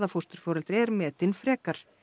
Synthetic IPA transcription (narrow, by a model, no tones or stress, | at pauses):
ðafur̥t̪ʏɾ̥fɔːɾalt̪ɾɛɾmɛːt̪ɪnfɾɛːkaɾ̥